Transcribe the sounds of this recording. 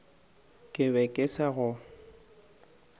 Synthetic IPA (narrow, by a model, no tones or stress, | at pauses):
kʼɪβɛkʼɪsaɣʊ